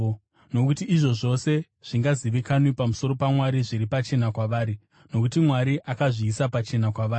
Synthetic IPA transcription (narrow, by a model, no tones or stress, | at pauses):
no̞kutiːʐo̞ʐo̞se̞ | ʐ̥iŋɡaziʋikanwipamuso̞ɾo̞pamwaɾiʐiɾipat͡ʃe̞nakwaʋaːɾi | no̞kutimwaɾiʔakaʐiːsapat͡ʃe̞nakwaʋaːi